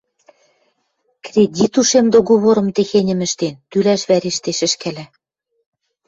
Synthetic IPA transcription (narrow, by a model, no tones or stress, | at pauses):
krʲedʲit̪uʃemd̪oɣoβoɾɤ̆mt̪exenʲɘ̆mɘ̆ʃt̪ent̪ylæʃβæɾeʃt̪eʃɘ̆ʃkælæ